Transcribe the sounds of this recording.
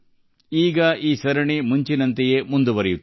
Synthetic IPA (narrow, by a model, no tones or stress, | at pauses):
iːɡɐiːsɐɾɐɳimuɲt͡ʃinɐnt̪ɛjemund̪uʋɐɾɛjut̪ː